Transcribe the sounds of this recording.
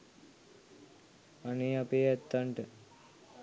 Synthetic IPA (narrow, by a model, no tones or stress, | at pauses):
paneːapeːɛt̪ːaɳʈə